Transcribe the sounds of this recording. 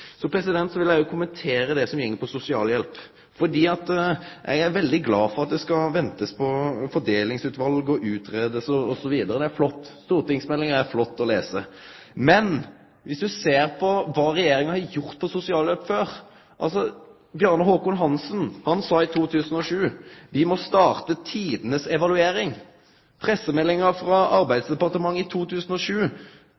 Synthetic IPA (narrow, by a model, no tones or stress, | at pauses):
sɔpʰɾɛsɪd̪ɛnt̪sɔʋɪljæɪjʊkʰʊmɛnt̪ʰeːɾəd̪ɛsɔmjɛŋːəpʰɔsʊsɪɑːljɛlp | fɔɖ̪iːɑt̪ʔɛ̰ɡæɾʋɛld̪ɪɡlɑːfɔɾɑt̪̚d̪ɛskɑʋɛnt̪əspʰɔfɔɖ̪eːlɪŋsʉːt̪ʋɑlɡɔʔʉːt̪ʰɾeːd̪əsɔɔsɔʋiːd̪əɾəd̪ɛæɾflɔt̪ːst̪uːɾt̪ɪŋsmɛlːɪŋəɾæɾflɔt̪ːɔleːsəmɛn | ʋɪsd̪ʉseːɾpʰɔʋɑːɾɛjeːɾɪŋɑhɑd̪jʊʁt̪̚pʰɔsʊsɪɑːløːpføːɾ | ʔɑ̰ls̬ɔ | bjɑʁnɑɦoːkʊːnɦɑnsənhɑnsɑːɪt̪ʰuːt̪ʰʉːsənɔʂʉːʋɪmɔst̪ɑːʁt̪ət̪ʰiːd̪ənəsɛʋɑlʉeːɾɪŋ | pʰɾɛsːəmɛlːɪŋəɾfɾɑɑɾbæɪd̪sd̪ɛpɑʁt̪əmɑŋːɪt̪ʰuːt̪ʰʉːsənɔʂʉː